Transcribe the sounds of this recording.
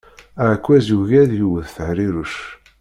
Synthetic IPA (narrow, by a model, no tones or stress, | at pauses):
ækʷːæzuʝæðjuwəðθəhɾiɾuʃ